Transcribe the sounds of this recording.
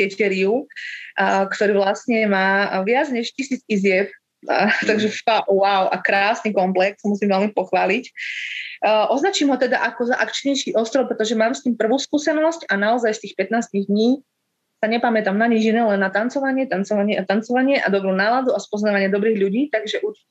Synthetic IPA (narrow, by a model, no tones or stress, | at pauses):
t̪ɛcɛɾiu | kt̪ɔɾiːʋlasɲɛmaːʋɪad͡zɲɛʃcisiːt͡sizɪɛp | t̪aɡʒɛfawaʊʔa̰kɾaːsniːkɔmplɛkssamusiːmʋɛlmipɔxʋaːlicː | ʔɔznat͡ʃiːmɦɔt̪ɛd̪a̰ʔakɔzaʔakt͡ʃɲɛjʃiːʔɔst̪ɾɔʊpɾɛt̪ɔʒɛmaːmst̪iːmpr̩ʋuːskuːsɛnɔscanaɔzajst̪iːxpɛt̪naːsciɣd̪ɲiː | saɲɛpamɛt̪amnaɲid͡ʒinɛːlɛnːat̪ant͡sɔʋaɲɪɛt̪ant͡sɔʋaɲɪɛat̪ant͡sɔʋaɲɪɛʔad̪ɔbɾuːnaːlad̪uaspɔznaːʋaɲɪad̪ɔbɾiːɣʎuɟiːt̪aɡʒɛʔuɾt͡ʃi